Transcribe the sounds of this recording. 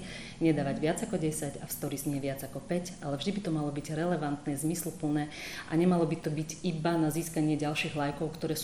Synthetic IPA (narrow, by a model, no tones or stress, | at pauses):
ɲɛd̪aːʋaɟʋɪad͡zakɔɟɛsaɟafst̪ɔɾizɲɪɛʋɪad͡zakɔpɛcalɛvʒd̪ibit̪ɔmalɔbiɟɾɛlɛʋant̪nɛzmislpl̩nɛːʔa̰ɲɛmalɔbit̪ɔbiɟibanaziːskaɲɪɛɟalʃiːɣlajkɔʊkt̪ɔɾɛːs